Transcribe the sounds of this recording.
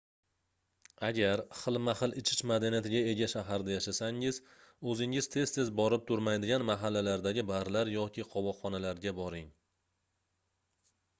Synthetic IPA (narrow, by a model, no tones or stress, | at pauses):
aɡʲaɾχɨlˠmaχɨlˠɪt͡ʃʰɪ̥t͡ʃmad̪anijat̪ʰɪɡʲae̞ɡʲaʃaɦaɾd̪ajaʃasaŋɪz | ɵzɪŋɪz̥t̪ʰe̞z̥t̪ʰe̞zbɒɾɪp̚t̪ʰʊɾmajd̪ɪɡʲanmaɦalːalaɾd̪aɡʲɪbaɾlaɾjɒkʲʰɪqʰɒwɒːɒnalaɾɡʲabɒɾɪŋ